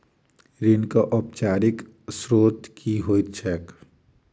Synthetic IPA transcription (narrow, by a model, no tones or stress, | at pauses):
ɾinkaʔɔpt͡ʃaːɾik | sɾot̪kʰiɦoːit̪̚t͡ʃʰɛk